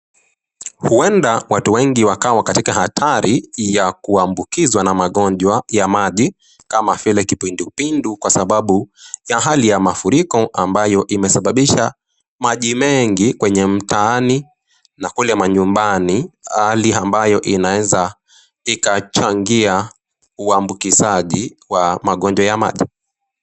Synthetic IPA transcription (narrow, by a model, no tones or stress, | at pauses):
huɛndawatuwɛŋɡiwakawakatikahatʰaɾijakuambukizwanamaɠɔɲʄwajamaʄi | kamafilɛkipindupindukwasaɓaɓujaɦalijamafuɾikɔʔambajɔʔimɛsaɓaɓiʃa | maʄimɛŋɡikwɛɲɛm̩taani | nakulɛmaɲumbanihaliambajɔʔinaɛza | ikat͡ʃaŋɡia | uambukisaʄiwamaɠɔɲd͡ʒwajama̰ʄi